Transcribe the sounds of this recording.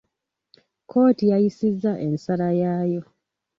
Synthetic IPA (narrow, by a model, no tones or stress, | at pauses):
kʰo̞ːtijajisizːaʔe̞nsalajaːjo̞